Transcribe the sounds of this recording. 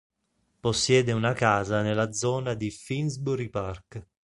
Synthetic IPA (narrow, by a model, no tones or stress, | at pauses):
posːjɛːd̪eunakaːzanelad̪zɔːnad̪ifinzbuɾipark